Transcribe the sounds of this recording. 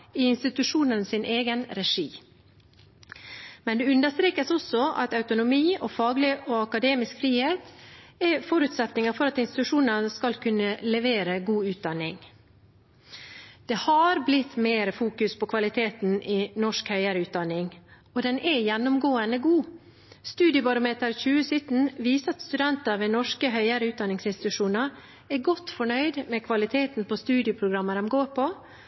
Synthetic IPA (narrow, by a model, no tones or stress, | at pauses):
ɪɪnst̪ɪt̪ʉʂuːnənəsɪnʔeːɡənɾɛʂiː | mɛnd̪ɛʉnd̪əst̪ɾeːkəsɔsɔɑ̰t̪ɑʉt̪ʊnʊmiːʔɔfɑːɡlɪʔoɑkɑd̪eːmɪskfɾiːheːt̪ɛfɔɾʉt̪sɛt̪nɪŋəfɔɾɑt̪ɪnst̪ɪt̪ʉʂuːnənəskɑlkʰʉnːəlɛʋeːɾəɡuːʉːt̪̚d̪ɑnːɪŋ | d̪̥ɛhɑɾblɪt̪ːmeːɾəfuːkʉspʰɔkʰʋɑlɪt̪ʰeːt̪nɪnɔʂkhœʏəɾəʉːt̪̚d̪ɑnːɪŋ | ɔd̪ɛnʔɛjɛnːʊmɡoːənəɡuː | st̪ʉːd̪ɪəbɑɾʊmeːt̪əɾçʉːəsʏt̪n̩ʋiːsəɑt̪st̪ʉd̪ɛnt̪ɑɾʋɛnɔʂkəɦœʏəɾəʉːt̪d̪ɑnːɪŋsɪnst̪ɪ̥t̪ʉʂuːnɑɾ | ɛɾɡɔt̪ːfɔɳœʏd̪mɛkʰʋɑlɪt̪ʰeːt̪npʰɔst̪ʉːd̪ɪʊpʰɾʊɡɾɑmːəɾɛmɡoːɾpʰɔ